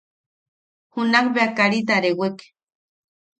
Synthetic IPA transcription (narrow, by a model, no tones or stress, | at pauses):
hunakbeakaɾit̪̬aɾewek